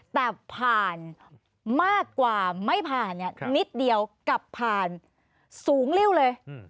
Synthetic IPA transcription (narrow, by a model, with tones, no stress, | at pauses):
t̪ɛː˨˩pʰaː˨˩n | maː˥˩kːwaː˨˩ma˥˩jpʰaː˨˩nːi˥˩ni˦˥t̪̚di˧əwka˨˩pʰːaː˨˩n | suː˨˩˦ŋli˥˩wlɤː˧j